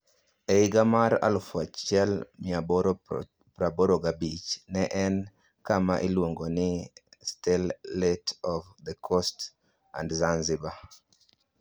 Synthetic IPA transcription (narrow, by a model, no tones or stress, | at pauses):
ɛɪɡamaɾa̰lfuat͡ʃɛlmɪabɾ | pɾaboɾoɡabit͡ʃnɛʔɛn | kamaʔilwoŋɡonɪstɛlːetɔfd̪əkʰɔst | a̰ndzanzɪba